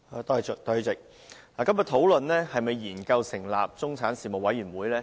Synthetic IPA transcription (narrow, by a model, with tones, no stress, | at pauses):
a˨˧t̪ɔː˥˨˩t͡ʃ̚t̪ɵ˨˥ɥt͡sɪ˨k̚ | laː˨˩kɐ˥mjɐ˨t̪ʰo˨˥wlɵ˨nlɛː˥hɐ˨jmɐ˨jːiː˨˩nkɐ˧wsɪ˨˩ŋla̰ː˨p̚t͡sʊ˥ŋt͡sʰaː˨˥nsiː˨mo˨k̚wɐ˨˥jɥyː˨˩nwuː˨˥jlɛː˥